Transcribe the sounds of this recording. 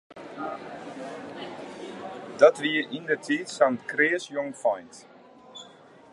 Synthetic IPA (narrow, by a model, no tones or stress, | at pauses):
dɔtʋiəindətʰiːtsantkrɪəsjɔŋfɔjnt